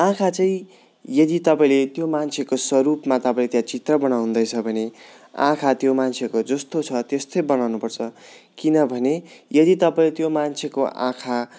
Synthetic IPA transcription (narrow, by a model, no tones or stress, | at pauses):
ãkʰat͡sʌĩ | jʌd̪it̪ʌpaĩlet̪jomant͡sʰekoswʌɾupmat̪ʌpãĩlet̪jãt͡sit̪rʌbʌnawɦund̪ʌjt͡sʰʌbʱʌne | ã̰kʰat̪jomant͡sʰekod͡zʌst̪ot͡sʰʌt̪est̪ojbʌnawnupʌrt͡sʰʌkinʌbʱʌnejʌd̪it̪ʌpaĩlet̪jomant͡sʰekoʔã̰kʰa